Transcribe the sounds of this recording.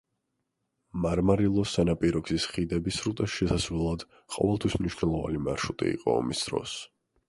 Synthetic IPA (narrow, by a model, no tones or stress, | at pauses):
maɾmaɾilˠɔsanapʼiɾɔɡzisχid̪ɛbisɾut̪ʼaʃɛsasvɛlˠad̪̥ | qʼɔ̰vɛlˠt̪ʰwismniʃnɛlˠɔva̰nimaɾʃut̪ʼḭḭqʼɔ̰ːmisd̪̥ɾɔ̰s